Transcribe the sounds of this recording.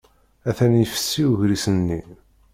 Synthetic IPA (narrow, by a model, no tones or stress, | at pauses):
æθænjəfə̥sːiuʝɾisənːi